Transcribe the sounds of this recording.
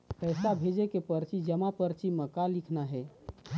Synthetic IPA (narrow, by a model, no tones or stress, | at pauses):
pɛjsabʱed͡ʒekepəɾt͡ʃid͡ʒəmapəɾt͡ʃiməkalikʰnaɦɛ